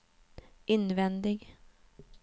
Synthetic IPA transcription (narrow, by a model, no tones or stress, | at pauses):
ʔɪnvɛnd̪ɪɡ